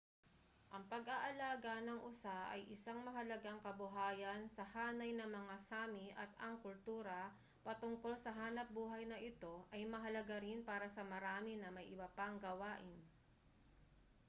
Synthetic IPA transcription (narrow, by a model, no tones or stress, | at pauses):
ʔɐŋpɐɡaʔɐlaːɡanɐŋʔʊsaʔɐ̰jʔɪsaŋmɐɦɐlɐɡaŋkɐbʊɦaːjɐnsɐhaːnɐjnɐmɐŋasaːmɪʔɐ̰t̪ɐŋkʊlt̪uːɾɐ | pɐt̪ʊŋko̞lsɐɦaːnɐp̚buːɦɐjnɐʔɪt̪o̞ʔɐjmɐɦɐlɐɡaɾɪnpaːɾɐsɐmɐɾaːmɪnɐmɐjʔɪbɐpaŋɡɐwaːʔɪn